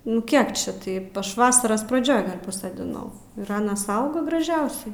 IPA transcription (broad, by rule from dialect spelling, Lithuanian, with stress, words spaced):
nʊ ˈkʲiɛk t͡ʃʲɛ ˈtɐɪp ˈɐʃ ˈʋɑːsɐrɐs prɐˈd͡ʒʲoːj ˈɡɐlʲ pɐsoːdʲɪˈnɐʊ ɪr ˈɑːnɐs ˈɐʊɡɐ ɡrɐˈʒʲɛʊsʲɛɪ